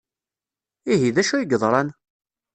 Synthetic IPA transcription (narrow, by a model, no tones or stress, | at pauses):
iɦiðæʃujɡəðˤɾˤɑn